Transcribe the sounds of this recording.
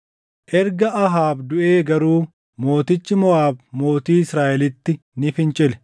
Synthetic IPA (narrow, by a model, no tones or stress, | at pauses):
ʔɛɾɡɐʔɐɦaːbd̪ʊʔeːɡɐɾuː | mo̞ːt̪ɪt͡ʃːɪmɔʔaːbmo̞ːt̪iːɪsɾaːʔɛlɪt̪ːɪ | nɪfɪnt͡ʃʼɪlɛ̥